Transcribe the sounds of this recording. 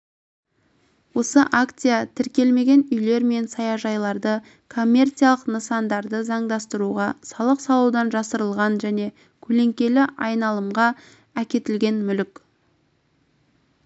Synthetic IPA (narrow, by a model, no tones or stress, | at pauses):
wo̞səʔakt̪sijat̪ʰɪɾkʲe̞lme̞ɡʲe̞nʏjle̞ɾme̞nsɑjɑʒɑjlˠɑɾd̪ə | kʰo̞mʲːe̞rt̪sijalˠəqnəsɑnd̪ɑɾd̪əzɑɴd̪ɑst̪əɾuʁɑsɑlˠəqsɑlˠuwd̪ɑnʒɑsəɾəlˠʁɑnʒæne̞ | kʲʰɵle̞ŋkʲe̞lɪʔɑjnɑlˠəmʁɑ | ækʲe̞t̪ɪlɡʲe̞nmʏlɪkʲ